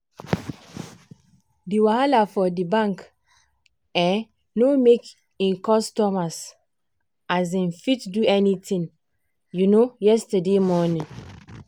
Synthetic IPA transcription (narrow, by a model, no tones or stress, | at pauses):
diwahalafɔdibãŋk | ɛ̃n | nomek | ĩnkɔstɔmas | azĩnfitduɛnitʰĩŋ | junojɛstademɔnĩŋ